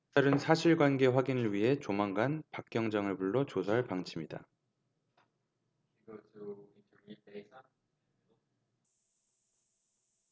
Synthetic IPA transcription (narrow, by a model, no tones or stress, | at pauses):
aɾɯnsʰaɕʰiɭɡwanɡe̞ɸwaɡinɯɭɥiɦe̞t͡ɕomaŋɡanpak̚k͈jʌŋd͡ʑaŋɯɭbuɭːot͡ɕosʰaɦaɭpaŋt͡ɕʰimɲida̰